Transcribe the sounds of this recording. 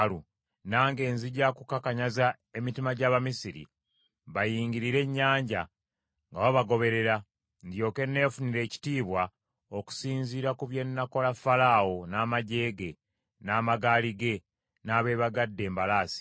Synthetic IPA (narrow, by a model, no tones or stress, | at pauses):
lu | naːŋɡe̞ːnziɟakukakaɲaza | e̞mitimaɟaːβamisiɾḭ | βajiːŋɡiɾiɾe̞ɲːaːɲɟa | ŋɡaβaβaɡo̞βe̞ɾe̞ɾa | ndjo̞ke̞ne̞ːfuniɾe̞ːci̥tiːβwa | oku̥siːnziːɾakuβje̞nːako̞lafalawo̞naːmaɟe̞ːɡe̞ | naːmaɡaːliɡe̞ | naːβe̞ːβaɡadːe̞ːmbalaːsi̥